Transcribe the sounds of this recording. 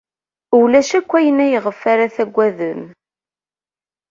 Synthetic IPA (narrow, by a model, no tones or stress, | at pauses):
ulæʃækʷːæjənæjəʁəfːaɾaθæɡʷːæðən